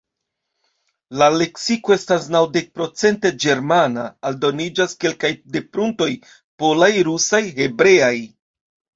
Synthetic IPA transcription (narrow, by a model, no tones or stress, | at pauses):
lale̞ksiko̞e̞stasnawde̞k̚pɾo̞t͡se̞nte̞d͡ʒe̞ɾmanaːldo̞nid͡ʒaske̞lkajde̞pɾunto̞j | po̞lajɾusajɦe̞bɾe̞aj